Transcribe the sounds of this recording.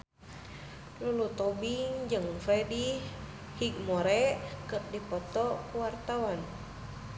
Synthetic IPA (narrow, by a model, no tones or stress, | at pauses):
lulut̪ɔbiŋd͡ʒɨŋfɛdi | hik̚mɔɾɛʔkɨr̚dipɔt̪ɔkuwart̪awan